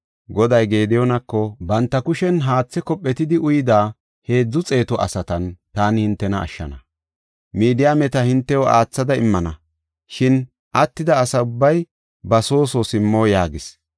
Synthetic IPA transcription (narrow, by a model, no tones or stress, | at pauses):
ɡɔd̪ɐjɡe̞ːd̪ɪjɔnɐkːɔbɐnt̪ːɐkʊʃɛnɦaːt͡sːɛkɔpʼːɛt̪ɪd̪ɪʔʊjɪd̪aː | he̞ːd͡zːʊt͡sʼe̞ːt̪ɔʔɐ̰sɐt̪ɐnt̪aːnɪhɪnt̪ːɛnɐʔːʃːɐ̰nɐ | miːd̪ɪjamɛt̪ɐhɪnt̪ːɛwɔʔaːt͡sːɐd̪ɐɪmːɐnɐ | ʃɪn | ʔɐt̪ːɪd̪ɐːsɐʊbːɐj | bɐso̞ːsosɪmːo̞ːjaːɡɪs